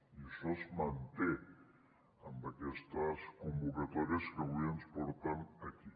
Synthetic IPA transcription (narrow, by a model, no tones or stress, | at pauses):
isosmant̪e | ambakest̪askombokat̪oɾjaskeβuanspoɾt̪anaki